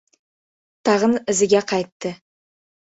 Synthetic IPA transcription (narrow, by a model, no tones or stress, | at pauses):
t̪ʰɑʁənɪzɪɡʲeqʰɑjt̪ːə